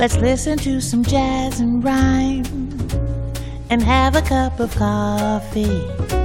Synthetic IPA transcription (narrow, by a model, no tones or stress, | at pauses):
lɨtslɪsɨ̃ntʰɨsʌ̃md͡ʒæzɨ̃nɹãɪ̃n | ɨ̃nɨvɨkʰʌpʌv̥kʰɔfi